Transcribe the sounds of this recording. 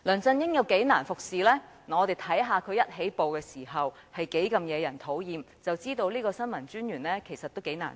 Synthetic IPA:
lœː˨˩nt͡sɐ˧njɪ˥ŋjɐ˨˧wke˨˥jnaː˨˩nfʊ˨k̚siː˨lɛː˥ | n˨ɔ˨˧t̪e˨˩jt̪ʰɐ˨˥jɦaː˨˧kʰɵ˨˧ɥjɐ˥t̚ɦe˨˥jpo˨wkɛː˧siː˨˩ɦɐ˨w | hɐ˨jke˨˥jkɐ˨˧mjɛː˨˧jɐ˨˩nt̪ʰo˨˥wjiː˨m | t͡sɐ˨wt͡siː˥t̪o˧wliː˥kɔː˧sɐ˥nmɐ˨˩nt͡ʃyː˥njyː˨˩nlɛː˥kʰe˨˩jsɐ˨t̪̚ːo˥wke˨˥jna̰ː˨˩n

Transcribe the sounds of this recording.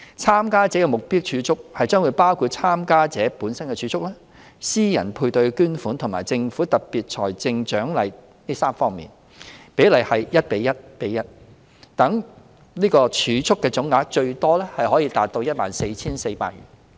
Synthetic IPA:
t͡sʰaː˥mkaː˥t͡sɛː˨˥kɛ˧mʊ˨k̚piː˥wt͡ʃʰyː˨˧t͡sʰʊ˥k̚hɐ˨jt͡ʃœː˥ŋwu˨˧jpaː˥wkʰuː˨˧t̚t͡sʰaː˥mkaː˥t͡sɛː˨˥puː˨˥nsɐ˥nkɛ˧t͡ʃʰyː˨˦t͡sʰʊ˥k̚lɛː˥ | siː˥jɐ˨˩npʰuː˧jt̪ɵ˧ɥkyː˥nfuː˨˥nt̪ʰŋmaː˨˩jt͡sɪ˧ŋfuː˨˥t̪ɐ˨t̚piː˨t̚t͡ʃʰɔː˨˩jt͡sɪ˧ŋt͡ʃœː˨˥ŋlɐ˨˧j | niː˥saː˥mfɔː˥ŋmḭː˨˩n | pe˨˥jlɐ˨˩jhɐ˨jjɐ˥t̚pe˨˥jɐ˥t̚pe˨˥jɐ˥t̚ | t̪ɐ˨˥ŋ | niː˥kɔː˧t͡ʃʰyː˨˧t͡sʰʊ˥kːɛː˧t͡sʊ˨˥ŋːaː˨˥k̚t͡ʃɵ˧ɥt̪ɔː˥lɛː˥hɐ˨jɦɔː˨˥jiː˧t̪aː˨t̚t̪o˧wjɐ˥t̚ma̰ː˨nse˧jt͡sʰiː˥nse˧jpa̰ː˧t̚ɥy̰ː˨˩n

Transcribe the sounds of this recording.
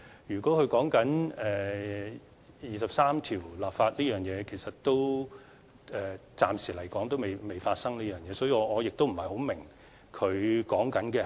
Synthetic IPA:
jyː˨kwɔː˨˥kʰɵ˧ɥkɔː˨˥ŋkɐ˨˥nɛː˨˩ | jiː˨˧sɐ˨p̚saː˥mt̪ʰiː˨˩wlaː˨p̚faː˧t̚liː˥jœː˨ŋjɛː˨˧kʰe˨˩jsɐ˨tt̪o˥w | ɛː˨t͡saː˧msiː˨˩lɐ˨˩jkɔː˨˥ŋt̪o˥wme˨˩jme˨˧jfaː˧t̚sɐ˥ŋniː˥jœː˨ŋjɛː˨˥sɔː˨˥jiː˧ɔ˨˧ŋɔː˨˧jɪ˨k̚t̪o˥wm̩˨˩hɐ˨jho˨˥wmɪ˨˩ŋ | kʰɵ˨˧ɥkɔː˨˥ŋkɐ˨˥nkɛː˧

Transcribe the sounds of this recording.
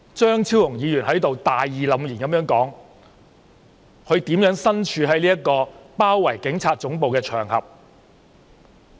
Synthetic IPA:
t͡ʃœː˥ŋt͡sʰiː˥wjʊ˨˩ŋjiː˨˧jyː˨˩nɦɐ˨˥jt̪o˨wt̪aː˨jiː˨lɐ˨˥mjiː˨˩nkɐ˨˥mjœː˨˥ŋkɔː˨˥ŋ | kʰɵ˨˧ɥt̪iː˨˥mjœː˨˥ŋsɐ˥nt͡ʃʰyː˨˧hɦɐ˨˥jliː˥kːɔː˧paː˥wːɐ˨˩jkɪ˨˥ŋt͡sʰaː˧t̚t͡sʊ˨˥ŋpo˨wkɛː˧t͡ʃʰœː˨˩ŋhɐ̰˨p̚

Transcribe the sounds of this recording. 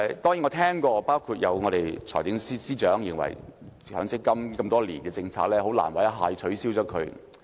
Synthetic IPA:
t̪ɔː˥ŋiː˨˥ŋɔː˨˧t̪ʰɛː˥ŋkɔː˧paː˥wkʰuː˧t̚jɐ˨˧wŋɔː˨˧ɾe˨jt͡sʰɔ̰ː˨˩jt͡sɪ˨˥ŋsiː˥siː˥t͡ʃœː˨˥ŋjɪ̰˨˩ŋwɐ̰˨˩j | hœː˨˥ŋsɪ˥kːɐ˥mkɐ˧mt̪ɔː˥lḭː˨˩nkɛː˧t͡sɪ˧ŋt͡sʰaː˧k̚lɛː˥ho˨˥wla̰ː˨˩nwa˨˧˥jɐ˥ɦaː˧jt͡sʰɵ˨˥ɥsi˥wt͡sɔː˨˥kʰɵ˨˧ɥ

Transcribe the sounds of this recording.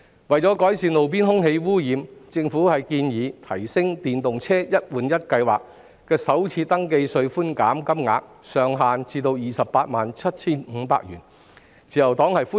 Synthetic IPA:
wɐ˨˩jt͡sɔː˨˥kɔː˨˥jsiː˨˧nlo˨wp̬iː˥nɦʊ˥ŋhe˧jwuː˥jiː˨˧mt͡sɪ˧ŋfuː˨˥hɐ˨jkiː˧njiː˨˧t̪ʰɐ˨˩jsɪ˥ŋt̪iː˨˩nt̪ʊ˨ŋt͡sʰɛː˥jɐ˥t̚wuː˨njɐ˥t̚kɐ˧jwaː˨˩k̚ | kɛː˧sɐ˨˥wt͡sʰiː˧t̪ɐ˥ŋke˧jsɵ˧ɥfuː˥nka̰ː˨˥mkɐ˥mŋa̰ː˧k̚ | sœː˨ŋɦaː˨nt͡sʰiː˧t̪o˧wjiː˨˩sɐ˨pːaː˧t̚maː˨˩nt͡sʰɐ˥t̚t͡sʰiː˥nŋ̩˨˧pa̰ː˧k̚jyː˨˩n | t͡sʰiː˨˩jɐ˨˩wt̪ɔː˨˥ŋhɐ˨jfuː˥

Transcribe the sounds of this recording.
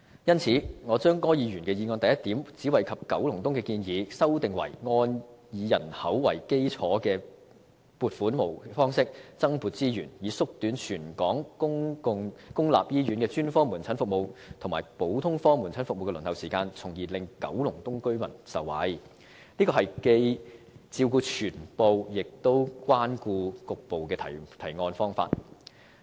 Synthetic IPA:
jɐ˥nt͡sʰiː˨˥ŋɔː˨˧t͡ʃœː˥ŋkɔː˥jiː˨˧ɥyː˨˩nkɛː˧jiː˨˧ŋɔː˧nt̪ɐ˨jɐ˥t̪iː˨˥mt͡siː˨˥wɐ˨jkʰɐ˨p̚kɐ˨˥wlʊ˨˩ŋt̪ʊ˥ŋkɛː˧kiː˧njiː˨˧sɐ˥wt̪ɪ˨ŋwɐ̰˨˩jŋɔː˧njiː˨˧jɐ̰˨˩nhɐ˨˥wwɐ˨˩jke˥jt͡sʰɔː˨˥kɛː˧ | puː˨˧t̚fuː˨˥nmo˨˩wfɔː˥ŋsɪ˥k̚t͡sɐ˥ŋpuː˨˩t̚t͡siː˥jyː˨˩njiː˨˧sʊ˥k̚t̪yː˨˥nt͡ʃʰyː˨˩nkɔː˨˥ŋʊ˥ŋʊ˧ŋkʊ˥ŋla̰ː˨p̚jiː˥jy˨˥nkɛː˧t͡ʃyː˥nfɔː˥mu˨˩nt͡sʰɐ˨˥nfʊ˨k̚mo˨˧wt̪ʰʊ˨ŋmaː˨˩jpo˨˥wt̪ʰʊ˥ŋfɔː˥mu˨˩nt͡sʰɐ˨˥nfʊ˨mo˨˧wkɛ˧lɵ˨˩nt̪ɐ˨wsiː˨kaː˧nt͡sʰʊ˨˩ŋjiː˨˩lɪ˨ŋkɐ̰˨˥wlʊ˨˩ŋt̪ʊ˥ŋkɵ˥ɥmɐ˨˩nsɐ˨wːɐ̰˨˥j | liː˥kɔ˧ɦɐ˨jke˧j | t͡siː˧wkuː˧t͡ʃʰyː˨˩npo˨wjɪ˨k̚t̪o˥wkwaː˥nkuː˧kʊ˨k̚po˨wkɛː˧t̪ʰɐ̰˨˩jt̪ʰɐ˨˩jŋɔː˧nfɔː˥ŋfa̰ː˧t̚

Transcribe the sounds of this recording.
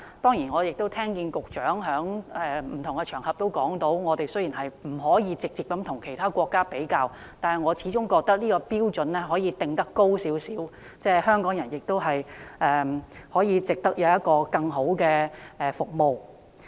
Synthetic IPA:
t̪ɔː˥ŋji˨˩nŋɔː˨˧jɪ˨k̚t̪o˥wt̪ʰɛː˥ŋkiː˧nkʊ˨k̚t͡ʃœː˨˥ŋɦœː˨˥ŋɛː˨m̩˨˩t̪ʰʊ˨˩ŋɡɛ˧t͡ʃʰœː˨˩ŋhɐ˨p̚t̪o˥wkɔː˨˥ŋt̪o˨˥wŋɔː˨˧t̪e˨jsɵ˥ɥjiː˨˩nɦɐ˨jm̩˨˩ɦɔː˨˥jiː˨˧t͡sɪ˨k̚t͡siː˨˩pkːɐ˨˥mt̪ʰʊ˨˩ŋkʰe˨˩jt̪ʰaː˥kʷɔː˧kːaː˥pe˨˥jkaː˧w | t̪aː˨nhɐ˨jŋɔː˨˧t͡sʰiː˨˥t͡sʊ˥ŋkɔː˧k̚t̪ɐ˥k̚niː˥kɔː˧piː˥wt͡sɵ˨nlɛː˥ɦɔː˨˥jiː˨˧t̪ɪ˨ŋt̪ɐ˥kːo˥wsiː˨˥wsiː˨˥w | t͡sɛː˥˩hœː˥ŋkɔː˨˥ŋjɐ˨˩njɪ˨k̚t̪o˥wɦɐ˨jʔɛː˨hɔː˨˥jiː˨˧t͡sɪ˨k̚t̪ɐ˥k̚jɐ˨˧wjɐ˥t̚kɔː˧kɐ˧ŋɦo˨˥wkɛː˧ʔɛː˨˩fʊ˨k̚mo˨w

